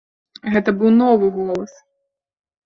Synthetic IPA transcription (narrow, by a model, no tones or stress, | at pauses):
ɣɛt̪ɐbɨwnɔvɨɣɔlˠɐs